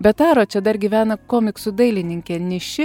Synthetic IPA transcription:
bʲɛt̪ɑːɾoːt͡ʃʲɛd̪ɐɾɡʲiːʋʲæːnɐkoːmʲɪksʊd̪ɐɪlʲɪnʲɪŋʲkʲɛːnʲɪʃʲɪ

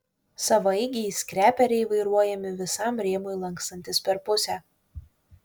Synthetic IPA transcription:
sɐʋɐɪɡʲɪisʲkɾʲæːpʲɛɾʲɛɪʋɐɪɾuɔjɛmʲɪʋʲɪsɑˑmɾʲeːmoɪlˠɐŋkst̪ɐnʲt̪ʲɪspʲɛɾpʊsʲæː

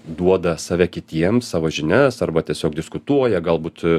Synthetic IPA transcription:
d̪uɔd̪ɐsɑːʋʲɛkʲɪt̪ʲiɛmsɑːʋoːʒʲɪnʲæsɐrbɐt̪ʲiɛsʲoːk̚d̪ʲɪskʊt̪uɔjɛɡɐlˠbuːt̪

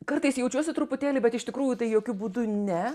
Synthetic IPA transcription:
kɐɾt̪ɐɪsjɛʊt͡ʃʲuɔsʲɪt̪ɾʊpʊt̪ʲæːlʲɪbʲɛt̪ɪʃt̪ʲɪkɾuːjʊt̪ɐɪjoːkʲʊbuːd̪ʊnʲɛ

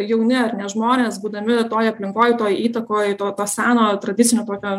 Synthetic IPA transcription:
jɛʊnʲɛɐrnʲɛʒmoːnʲeːsbuːd̪ɐmʲɪt̪oːjɐpʲlʲɪŋkoːjt̪oːjiːt̪ɐkoːjt̪oːt̪oːsʲæːnoːt̪ɾɐdʲɪt̪sʲɪnʲoːt̪oːkʲoː

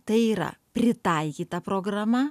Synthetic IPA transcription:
t̪ɐɪiːɾɐ̰pʲɾʲɪt̪ɐɪkʲiːt̪ɐpɾoːɡɾɐmɐ

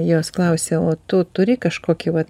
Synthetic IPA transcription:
joːsklˠɐʊsʲeːoːt̪ʊt̪ʊɾʲɪkɐʃkoːkʲɪʋɐt̪

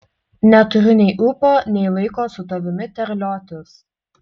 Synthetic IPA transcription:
nʲɛt̪ʊɾʲʊnʲɛɪʔʊpoːnʲɛɪlˠɐɪkoːsʊt̪ɔʋʲɪmʲɪt̪ʲɛɾʲlʲɔːt̪ʲʊs

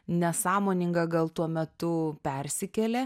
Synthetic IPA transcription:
nʲɛsɑːmoːnʲɪŋɡɐɡɐlˠt̪uɔmʲɛt̪ʊpʲɛɾʲsʲɪkʲɛlʲɛ

